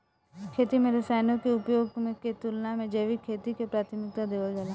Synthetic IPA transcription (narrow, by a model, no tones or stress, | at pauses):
kʰeːt̪imẽɾɐsaːjnõkeʊpjoːɡmẽket̪ulnamẽd͡ʒeːʋikʰːeːt̪ikepɾaːt̪ʰɪmɪk̚t̪ad̪eːʋəld͡ʒaːla